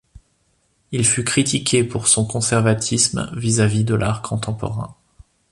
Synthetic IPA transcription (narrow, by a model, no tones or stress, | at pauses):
ilfykχit̪ikʲʰepuʁsɔ̃kɔ̃sɛʁvat̪ʰismvizavid̪əlʔaʁkʰɔ̃t̪ɑ̃pɔ̰ʁɛ̰̃